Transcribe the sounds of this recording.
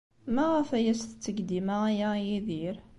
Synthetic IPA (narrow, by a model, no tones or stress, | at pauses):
mæʁæfæjæsθt͡s̪ːəɡd̪imajajiðiɾ